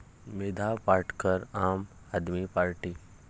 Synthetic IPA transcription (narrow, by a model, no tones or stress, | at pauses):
ʋɪd̪ʱapaːɾʈkəɾaːm | ad̪mipaːɾʈiː